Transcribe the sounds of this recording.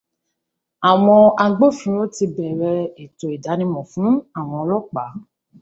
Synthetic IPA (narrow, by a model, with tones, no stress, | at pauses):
a˨w̃ɔ̃˧a˧ɡ͡bo˦fĩ˨˦o˦ti˧bɛ˨ɾɛ˧e˨to˨i˨da˨˦nĩ˧mɔ̃˨fũ˨˦a˦˨w̃ɔ̃˧lɔ˦k͡pa̰˨˦